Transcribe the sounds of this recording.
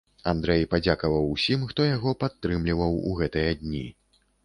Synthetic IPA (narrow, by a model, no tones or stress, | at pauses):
and̪ɾɛjpad͡zʲakɐvɐwusʲimxt̪ɔjaɣɔpat̪ːɾɨmlʲivɐwṵɣɛt̪ɨjɐd̪ʲnʲḭ